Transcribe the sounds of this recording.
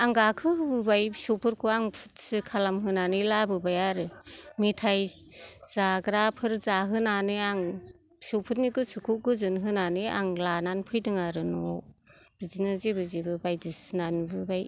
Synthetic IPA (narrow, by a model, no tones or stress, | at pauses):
aŋɡakʰɯɦɯbɯbajbisowpʰɯɾkʰuaŋpʰu̥t̚sɯkʰalamɦɯnanɯjlabɯbajaɾɯmitʰajz̥aɡɾapʰɯɾzaɦɯnanɯaŋ | bisowpʰut̚nikɯsukʰuɡɯzɯnɦɯnanɯa̰ŋlananpʰɯjdɯŋaɾɯnɔb̥izinɯzebɯzebɯbajdisnanbɯbaj